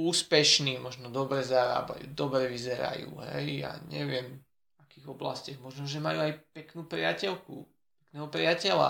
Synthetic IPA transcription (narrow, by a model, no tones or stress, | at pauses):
uːspɛʃniːmɔʒnɔd̪ɔbɾɛzaɾa̰ːba̰juːd̪ɔbɾɛʋizɛɾa̰jṵːɦɛ̰jja̰ɲɛʋɪɛm | akiːɣɔbla̰scaɣmɔʒnɔʒɛmajuajpɛknuːpɾɪacɛlkṵ | pɛknɛːɦɔpɾɪacɛla̰